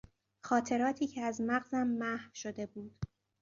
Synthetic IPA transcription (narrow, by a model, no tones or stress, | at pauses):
xɒːt̪ʰe̞ɾɒːt̪ʰiːcʰeæzmæɣzæmːæhʃo̞d̪e̞buːd̪̥